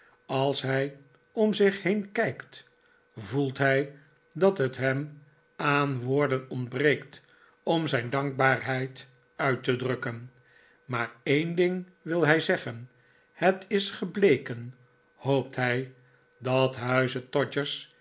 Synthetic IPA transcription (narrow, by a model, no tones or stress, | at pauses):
ɑlˠsɦɛj | ɔmzɪχhejnkɛjkt | vulˠtɦɛj | dɑtətɦɛm | anʋoːɹdənɔndbrejkt | ɔmzɛjndɑŋɡ̚baːɹɦɛjt | œɥtədrɵkən | maːɹejndɪŋ | ʋɪlˠɦɛjzɛχən | hətɪsχəblejkən | howp̚tɦɛj | dɑtɦœɥzətɔd͡ʒəɹs